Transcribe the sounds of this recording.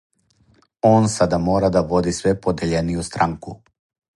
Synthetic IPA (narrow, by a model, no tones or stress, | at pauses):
oːnsad̪amoːɾad̪aʋod̪isʋɛpod̪eʎenijust̪ɾaŋku